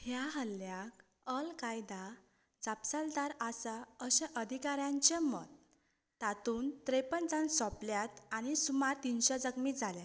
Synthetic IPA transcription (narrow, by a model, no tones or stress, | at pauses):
hjaɦəlːjak | əlkajd̪a | d͡zapsald̪aɾasaəɕɛ̃ʔəd̪ʱikaɾjãɲt͡ɕemɔt̪ː | at̪uːnt̪ɾepənt͡sãnsɔpljat̪añisumaɾt̪inɕɔd͡zəkmid͡zʱalja